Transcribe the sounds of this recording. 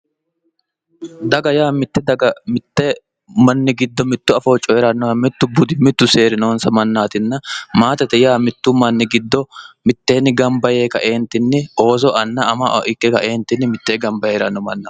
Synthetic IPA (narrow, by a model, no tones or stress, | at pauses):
d̪ɐɡɐjaːmɪt̪ːɛd̪ɐɡɐmɪt̪ːɛ | mɐnːɪɡɪd̪ːɔmɪt̪ːʊɐfo̞ːt͡ʃʼːɔjɛɾɐnːɔɐmɪt̪ːʊbʊd̪ɪmɪt̪ːʊse̞ːɾɪnoːnsɐmɐnːaːt̪ɪnːɐmaːt̪ɛt̪ɛjaːmɪt̪ːʊmɐnːɪɡɪd̪ːɔmɪt̪ːe̞ːnːɪɡɐmbɐje̞ːkɐʔeːnt̪ɪnːɪo̞ːzɔʔɐnːɐːmɐʔɪkːɛkɐ̰ʔeːnt̪ɪnːɪmɪt̪ːe̞ːɡɐmbɐjeːɾɐnːɔmɐnːɐ